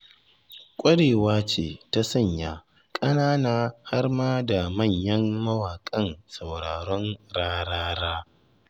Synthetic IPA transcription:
kʷʼɐ˦ɽeː˨waː˦t͡ʃḛː˨ta˦sɐ˦˨ɲjaː˦ | kʼɐ˦naː˦naː˦ha˦rmaː˦da˨mɐ˦˨ɲjɐ˦mːɐ˦waː˨kʼɐ˦nsa˨wɽaː˨ɽɔ˦nɽaː˦ɽaː˦ɽaː˦

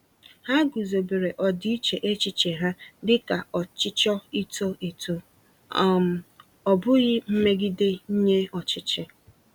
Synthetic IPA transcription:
ha˦ɡu˨zo˨be˨ɾe˨ʔɔ˨dɪ˦i˦t͡ʃe˨ʔe˦t͡ʃɪ˦t͡ʃe˨ɦa˦dɪ˦ka˨ɔ˨t͡ʃɪ˦t͡ʃɔ˦i˦to˦i˨to˦˨ | ɔ˨bʊ˦ɣɪ˦m̩˦me˦ɡɪ˦de˦ɲ̩˦ɲe˦ɔ˨t͡ʃɪ˦t͡ʃɪ˦

